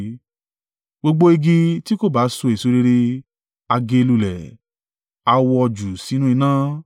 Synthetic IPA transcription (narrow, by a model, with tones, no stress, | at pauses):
ɡ͡bo˧ɡ͡bo˦i˧ɡi˧ti˦ko˦˨ba˨˦so˧e˨su˧˦ɾe˧ɾe˧ | a˧ɡe˧lu˧lɛ̰˨ | a˧wɔ˧ɔ˧d͡ʒu˨si˨˦nũ˦i˧nãː˦